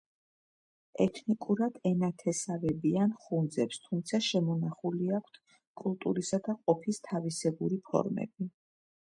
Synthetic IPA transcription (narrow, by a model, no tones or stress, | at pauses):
ɛt̪ʰnikʼuɾad̪̥ɛnat̪ʰɛsavɛbianχund̪zɛpst̪ʰumt̪sʰaʃɛmɔnaχuliakʷʰt̪ʰ | kʼulˠt̪ʼuɾisad̪aqʼɔpʰist̪ʰavisɛbuɾipʰɔ̰ɾmɛ̰bi